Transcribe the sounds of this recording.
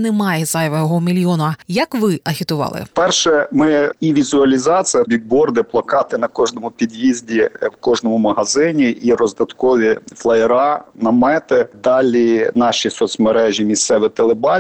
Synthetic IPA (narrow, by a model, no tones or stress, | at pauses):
nɛmɑjɛzɐjɔʋɐjɔɦɔmʲilʲjɔnɐjɐkʋɪʔɐɦʲit̪ʊʋɑ̰lˠɪ̰pɛrʃɛmɪiʋʲizʊɐlʲizɑt͡sʲijɐbʲiɡ̚bɔrd̪ɪplˠɐkɑt̪ɪnɐkɔʒnɔmʊpʲid̪ʲjizʲdʲiwkɔʒnɔmʊmɐɦɐzɪnʲiʔiɾɔzd̪ɐt̪kɔʋʲiflˠɐɛɾɑnɐmɛt̪ɪd̪ɑlʲinɑʃʲisɔt̪sʲmeɾɛʒʲimʲist̪sɛʋɪt̪elˠebɑ